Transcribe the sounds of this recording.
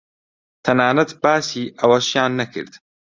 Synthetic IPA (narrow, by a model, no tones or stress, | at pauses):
t̪ʰɐnaːnɐt̪baːsiːʔɐwɐʃjaːnːɐkʰɨ̰ɾd̪